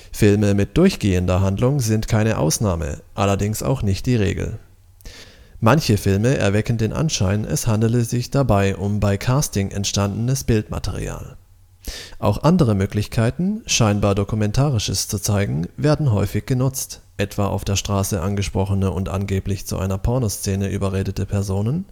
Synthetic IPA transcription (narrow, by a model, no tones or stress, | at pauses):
fɪlməmɪt̚d̥ʊɐçɡ̥eːəndɐɦandlʊŋzɪntkʰaɪnəʔa̰ʊsnaːmə̰ʔalɐdɪŋsʔa̰ʊxnɪçt̚d̥iːʁ̞ḛːɡl̩ | mançəfɪlməʔɛ̰ɐvɛkn̩deːnʔa̰nʃaɪnʔɛ̰shandl̩əzɪçd̥abaɪʔʊmbaɪkʰaːstɪŋʔɛ̰ntʃtandn̩əsb̥ɪltma̰tʰɛ̰ʁ̞ḭa̰ːl | ʔa̰ʊxʔandəʁ̞əmøːklɪçkʰaɪtn̩ʃaɪnbaːɐdokumɛntʰaːʁɪʃəst͡sut͡saɪɡŋ̩veːɐdn̩ɦɔʏfɪçɡ̥ənʊt͡st | ʔɛtv̥aːʔa̰ʊfd̥eːɐʃtʁ̥aːsəʔanɡəʃpʁ̥ɔχənəʔʊntʔa̰nɡeːplɪçt͡sṵʔa̰ɪnɐpʰɔɐnost͡seːnəʔy̰ːbɐʁeːdətəpʰɛɐzoːnən